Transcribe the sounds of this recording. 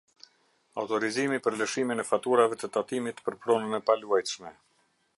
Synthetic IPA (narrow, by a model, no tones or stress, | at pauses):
awt̪ɔɾizimipəɾləʃiminɛfat̪uɾavɛt̪ət̪at̪imit̪pəɾpɾɔnənɛpaluajt̪ʃmɛ